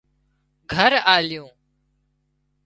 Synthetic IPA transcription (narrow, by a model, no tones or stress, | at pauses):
ɡʱəɾaːlɪjõː